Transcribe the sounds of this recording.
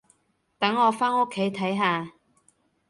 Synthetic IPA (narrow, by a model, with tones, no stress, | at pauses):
t̪ɐ˨˥ŋːɔː˨˧faː˥no˥kʰːe˨˥jt̪ʰɐ˨˥jɦaː˨˧